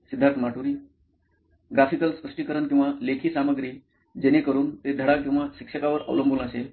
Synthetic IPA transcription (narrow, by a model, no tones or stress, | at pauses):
sid̪ʱːaɾt̪ʰəmaʈuɾiː | ɡɾafikəlspɾəʂʈiːkəɾənkĩw̃ʋalekʰiːsaməɡɾiː | d͡ʑenikəɾuːnt̪ed̪ʱəɽakːĩw̃ʋaɕikʂəkaʋəɾə̰ʋləmbʱunəse